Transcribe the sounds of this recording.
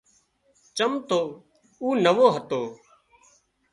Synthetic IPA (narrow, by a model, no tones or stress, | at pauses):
t͡ʃəmt̪oː | uːnəʋoːɦət̪oː